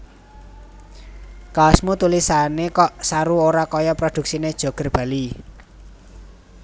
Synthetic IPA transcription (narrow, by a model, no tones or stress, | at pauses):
kasmut̪ulisanekɔʔsaɾuoɾakɔjɔpɾod̪̥ṳk̚sined̥ʒ̥o̤ɡ̥ə̤rb̥ä̤li